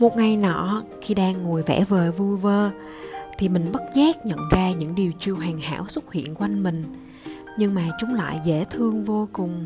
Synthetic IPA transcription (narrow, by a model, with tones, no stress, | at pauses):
mo˨˩t̚ŋa˨˩jnɔ̰˧˩ | xi˧ɗaː˧ŋːo˨˩jvɛ̰˧˥vəː˨˩vu˧jvəː˧ | t̪ʰi˨˩mï˨˩ŋ̟ɓə˦˥t̚zaː˦˥k̚ɲə̰˧˨nzaː˧ɲɨ̰˧˥ŋɗi˨˩əwt͡ɕi˧əwɦɛː˨˩ŋha̰ː˧˥wsʊ˦˥t̚hḭ˧˨ənkwa˧jŋmï˨˩ŋ̟ | ɲɨ˧ŋmaː˨˩t͡ɕʊ˨˦ŋ͡mla̰ː˧˨jzḛ˧˥t̪ʰɨ˧əŋvo˧kʊ˨˩ŋ͡m